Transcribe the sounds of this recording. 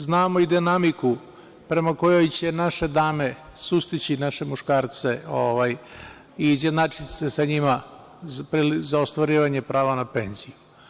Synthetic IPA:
znaːmo̞id̪inamiku | pɾe̞mako̞jo̞jt͡ɕe̞naʃe̞d̪aːme̞ | sust̪it͡ɕinaʃe̞muʃkaːɾt̪se̞oʋaj | iːzjed̪naːt͡ʂit̪sesaɲima | pɾilzaost̪ʋaɾiːʋaɲe̞pɾaːʋanape̞nziju

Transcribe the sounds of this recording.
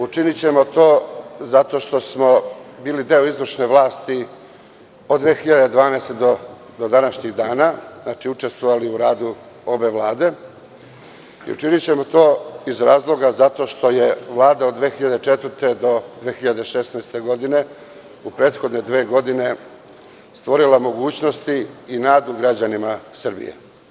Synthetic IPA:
ut͡ʃinit͡ɕe̞mo̞t̪o̞ːzat̪o̞ʃt̪o̞smo̞biːlid̪e̞oizʋr̩ʃne̞ʋlˠaːst̪i | od̪ʋeːxiʎad̪ed̪ʋaːnajst̪ed̪o | d̪od̪anaʃɲiɣd̪aːnaznat͡ʃiut͡ʂe̞st̪ʋoʋaliuɾaːd̪u | o̞be̞ʋlˠaːd̪e̞ | ḭṵt͡ʃinit͡ɕe̞mo̞t̪o̞ːizɾaːzlˠo̞ɡazat̪o̞ːʃt̪o̞je̞ʋlˠaːd̪aod̪ːʋeːxiʎad̪e̞t͡ʃe̞t̪vɾt̪e̞d̪o̞d̪ʋeːxiʎad̪e̞ʃesnajst̪e̞ɡo̞d̪ine̞ | upɾe̞ːt̪xo̞d̪ne̞d̪ʋe̞ːɡo̞d̪ine̞ | st̪ʋo̞ɾilamo̞ɡuːt͡ɕno̞st̪iːnaːd̪uɡɾad͡ʑanimasr̩bḭjḛ

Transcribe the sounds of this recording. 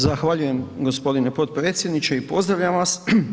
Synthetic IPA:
zaxʋaʎuje̞mɡo̞spo̞d̪inepo̞t̪̚pɾe̞ːt̪sʲje̞d̪nit͡ɕeipo̞zd̪ɾaʋʎʲamʋas

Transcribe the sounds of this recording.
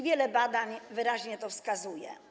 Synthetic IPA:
vʲjɛlɛbad̪aɲvɘɾaʑɲɛt̪ɔfskazujɛ̰

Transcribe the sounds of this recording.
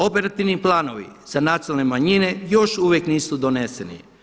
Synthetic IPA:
o̞peɾat̪iʋniplˠaːnoʋḭz̥anat̪sialnemaɲine̞jo̞ʃuʋjekniːsud̪o̞ne̞senḭ

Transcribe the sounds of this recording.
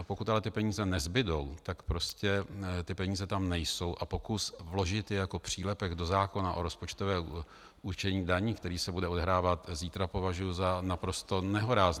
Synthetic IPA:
po̞kut̪alɛt̪ɪpɛɲiːzɛnɛzbɪdo̞wt̪akpɾo̞scɛt̪ɪpɛɲiːzɛt̪amnɛjso̞wʔapo̞kusvlo̞ʒɪt̪jɛjako̞pr̝̥iːlɛpɛɡdo̞zaːko̞naʔo̞ɾo̞spo̞t͡ʃt̪ovɛː | ʔut͡ʃɛɲiːdaɲiːkt̪ɛɾiːsɛbudɛo̞dɛɦɾaːvat̪ziːt̪ɾapo̞vaʒujʊzanapɾo̞st̪o̞nɛɦo̞ɾaːz

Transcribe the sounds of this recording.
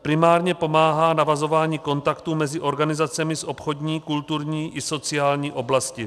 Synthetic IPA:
pɾɪmaːɾɲɛpo̞maːɦaːnavazo̞vaːɲiːko̞nt̪akt̪umɛzɪʔo̞ɾɡanɪzat͡sɛmɪsʔo̞pxo̞d̪ɲiːkult̪uɾɲiːʔɪso̞t͡sɪjaːlɲiːʔo̞blascɪ

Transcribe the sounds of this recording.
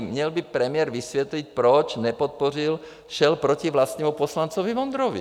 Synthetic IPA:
mɲɛlbipɾɛmɪɛɾʋisʋɛt̪lic̚pɾɔt͡ʃɲɛpɔt̪̚pɔril | ʃɛlpɾɔciʋlast̪nɛːmupɔslant͡sɔʋiʋɔnd̪ɾɔʋḭ

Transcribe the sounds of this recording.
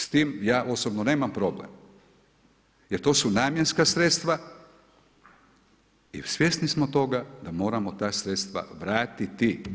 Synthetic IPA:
st̪iːmjaːʔo̞sobnone̞ːmampɾo̞blḛm | jeɾt̪o̞ːsunaːmjenskasɾet̪st̪ʋa | ḭsʋjesnismo̞t̪o̞ɡad̪amo̞ːɾamo̞t̪aːsɾet̪st̪ʋa̰ʋɾaːt̪it̪i

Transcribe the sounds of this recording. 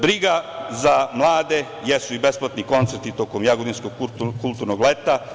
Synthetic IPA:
bɾiɡazamlˠaːd̪e | jesuibe̞splˠat̪niko̞nt̪seɾt̪it̪o̞ko̞mjaɡod̪inskoɡkukulˠt̪uɾnoɡlet̪a

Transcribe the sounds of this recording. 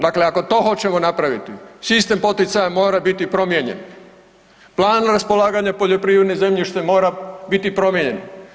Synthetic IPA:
d̪akle̞ako̞t̪o̞ːxo̞t͡ɕemonapɾaʋit̪isist̪e̞mpo̞t̪it̪sajamo̞ːɾabit̪ipɾo̞mjeɲḛn | plˠaːnɾaspo̞lˠaːɡaɲapo̞ʎo̞pɾiʋɾe̞d̪neze̞mʎiʃt̪emo̞ːɾabit̪ipɾo̞mjeɲe̞n

